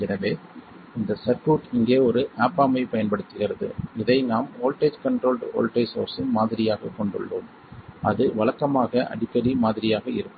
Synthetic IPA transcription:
ɛnɐʋeː | ɪnd̪ɐsɐɾkuːʈɪŋɡeːɔɾɯʔaːpːaːmɐɪpɐjɐnpɐɽɯt̪ːɪɣɪɾɐðɯ̰ɪðɐɪnaːmoːlʈeːd͡ʒkɐɳʈɾoːlɖo̰ːlʈeːsoːɾsɪnmaːðɪɾɪjaːɣɐkːɔɳɖɯ̰ɭːoːm | ʔɐðɯʋɐlɐkːɐmaːɣɐʔɐ̰ɽɪkːɐɾimaːðɪɾɪjaːɣɐɪɾɯkːɯ

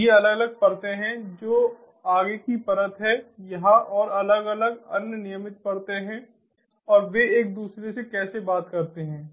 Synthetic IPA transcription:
jeɐləɡɐləɡ̚pɐɾt̪eɦɛ̃d͡ʒoː | aːɡekipɐɾət̪ɦɛjɐɦãʔɔːɾɐləɡɐləɡɐ̰nnɪjəmɪt̪̚pɐɾt̪eɦɛ̃ː | ɔːɾʋeeːk̚d̪uːsɾesekɛːsebaːt̪kɐɾt̪eɦɛ̃ː

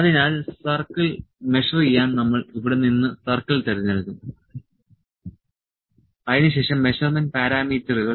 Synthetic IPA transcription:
ɐðinaːlsɐrkɐlme̞ʂɐrjijːaːnnɐmːɐɭiʋiɽe̞ninːɨsɐrkɐɭt̪eɾɐðinɐɭkːum | ɐðinɨɕe̞ːʂɐmːe̞ɕɐrmɐnpaːɾaːmiːtːɐruɣɐ

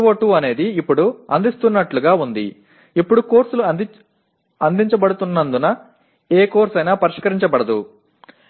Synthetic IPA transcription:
ʋoːʈuɐne̞ːd̪iːpːuɽuɐnd̪ist̪unːɐʈluɡaːund̪ḭ | ipːuɽuko̞ːɾsulu | ɐnd̪iɲt͡ʃɐbɐɽut̪unːɐnd̪unɐ | eːko̞ːɾsɐjnaːpɐɾiʂkɐɾiɲt͡ʃɐbɐɽɐd̪ṵ

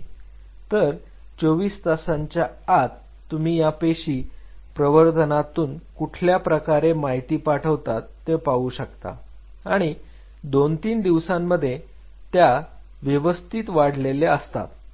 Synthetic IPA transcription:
t̪əɾ | t͡soʋiːst̪əsaɲt͡ɕjaːt̪ː | um̤iːjapeɕiːpɾəʋəɾd̪ʱənat̪uːnkuʈʰljapɾəkaɾemaɦit̪iːpaʈʰəʋt̪at̪ːepauːɕəkt̪a̰ | aɽ̃i | d̪ont̪iːnd̪iʋsãmːəd̪ʱːje | t̪ja | ʋjəʋəst̪ʰiːt̪ʋaɽ̤leleəst̪a̰t̪

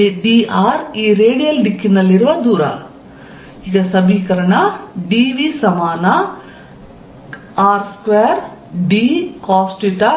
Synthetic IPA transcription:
eɖiːaːɾiːɾeːɖijɐlɖikːinɐlːiɾuʋɐd̪uːɾɐ̰ | iɡɐsɐbʱiːkɐɾɐɳɐɖiːʋisɐmaːnɐ | aːɾskʋeːɾɖikaːsʈiʈa

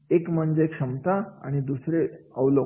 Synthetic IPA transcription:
ekm̤əɳd͡ʑekʂəmt̪aa̰ɽ̃id̪usɾeəwlə

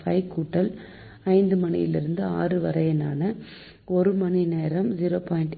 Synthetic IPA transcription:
fɐɪkːuːʈːɐl | ɐɪnd̪ɯmɐnɪ̰jɪ̰lɪ̰ɾɯnd̪ɯa̰ːrɯʋɐɾɐjɐnaːnɐ | ɔɾɯmɐnineːɾɐmziɾoːpaːjɪɳʈ

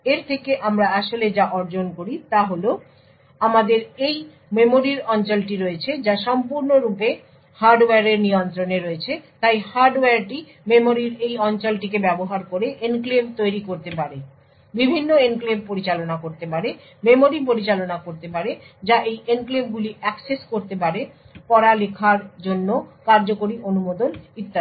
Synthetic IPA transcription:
eɾt̪ʰekeʔamɾaaʃoled͡ʑaʔɔɾd͡ʑonkoɾit̪aɦolo | amad̪eɾej | memoɾiɾɔnt͡ɕolʈiɾoet͡ɕʰed͡ʑaʃɔmpuɾnoɾupe | haɾɖoweaɾeɾnijont̪ɾoneɾoet͡ɕʰet̪ajhaɾɖoweaɾʈi | memoɾiɾejɔnt͡ɕolʈik̬ebɛboɦaɾkoɾeʔenklemt̪ojɾikoɾt̪epaɾe | bibʱinːoenklempoɾit͡ɕalonakoɾt̪epaɾe | memoɾip̬oɾit͡ɕalonakoɾt̪epaɾe | d͡ʑaʔejenklemɡuliʔɛkseskoɾt̪epaɾe | pɔɾalekʰaɾd͡ʑonːokaɾd͡ʑokoɾiʔonumod̪onit̪ːa

